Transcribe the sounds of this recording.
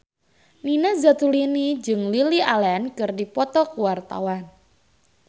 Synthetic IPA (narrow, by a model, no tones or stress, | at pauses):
ninazat̪ulinid͡ʒɨŋlilialɛnkɨrdipɔt̪ɔkuwart̪a̰wan